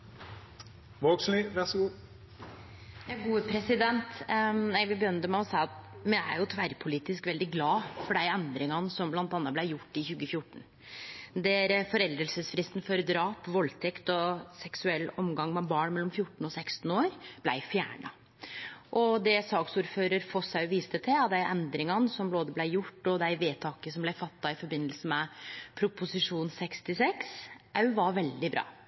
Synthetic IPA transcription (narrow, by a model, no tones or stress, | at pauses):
ʋoːɡsliːʋæʁsɔɡuː | jɑɡuːəpʰɾɛsɪd̪ɛnt̪næɪʋɪbəjœnt̪əmɛɔsæɪɑt̪mɛæ̰ɾjʊt̪ʰʋæɾpʰʊliːt̪ɪskʋɛld̪ɪɡlɑːfɔɖæɪɛnd̪ɾɪŋɑnsɔmblɑnt̪ɑːnːɑblæɪjʊʈːɪçʉːɡəfjʊʈːɳ̩ | d̪ɛɾfɔɾɛld̪ɾəlsəsfɾɪst̪n̩fɔɾd̪ɾɑːpʋɔlt̪ʰɛkt̪ɔsɛksʉɛlːɔmɡɑŋmɛbɑːɳmɛlːɔmfjʊʈːɳ̩ɔsɛkst̪n̩oːɾb̥læ̰ɪfjæ̰ːɳɑ̰ | ʔɔd̪ɛsɑːksuːɾføːɾəɾfɔsɑʉʋiːst̪ət̪ʰɪɑt̪̚d̪æɪʔɛnd̪ɾɪŋɑnəsɔmbloːd̪əblæɪjʊʈːɔd̪æɪʋeːt̪ʰɑːkəsɔmblæɪfɑt̪ːɑɪfɔɾbɪnːəlsəmɛpʰɾʊpʊsɪʂuːnsɛkst̪ɪsɛksʔɑʉʋɑɾʋɛld̪ɪbɾɑ̰ː